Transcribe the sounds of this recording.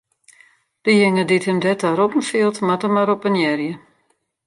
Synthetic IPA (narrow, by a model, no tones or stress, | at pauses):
d̥əjɪŋədithəmdɛtaɾɔpn̩fiəlˠtmatəmaɾɔpənjɛrjə